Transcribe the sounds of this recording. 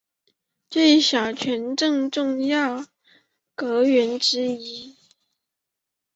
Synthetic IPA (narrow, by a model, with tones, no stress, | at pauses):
t͡swe˥˩ɪɕjɑ˨˩ʊt͡ɕʰɥɛ˧˥nʈ͡ʂɤ˥˧ŋʈ͡ʂʊ˥˧ŋjɑ˥˩ʊ | kɤ˧˥ɥɛ˧˥nʈ͡ʂɻ̩˥i˧˥